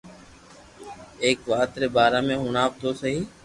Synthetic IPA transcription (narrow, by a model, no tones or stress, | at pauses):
eːkʋaːt̪ɾeːbaːɾãːmẽːɦuːɳaːp̚t̪oːsəɦiː